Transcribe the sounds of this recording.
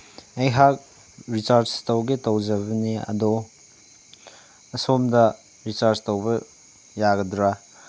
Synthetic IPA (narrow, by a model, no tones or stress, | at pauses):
ejɦak̚ | ɾit͡ʃaɾt͡ʃtowɡitowd͡ʒɐbɐniɐ̰do | ɐsomdɐ | ɾit͡ʃaɾstowbɐ | jaɡɐdɾa